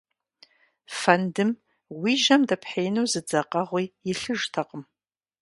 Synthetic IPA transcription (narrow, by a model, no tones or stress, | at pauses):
fandɨm | wiʒɐmdapʰħejnowzɨd͡zaqʼaʁʷiiɬɨʐtʰaqʼəm